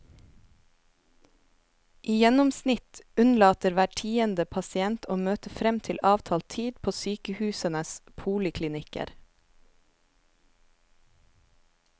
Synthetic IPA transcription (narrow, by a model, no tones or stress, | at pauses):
ʔiːjɛnʊmsnɪt̪ʉnlɑːt̪əɾʋæːʈʰiːənd̪əpʰɑsɪɛnt̪ʰoːmøːt̪əfɾɛmt̪ʰɪlʔɑːʋt̪ʰɑːlt̪ʰiːd̪pʰoːsyːkəhʉːsənəspʰuːlɪkʰlɪnɪkə̰ɾ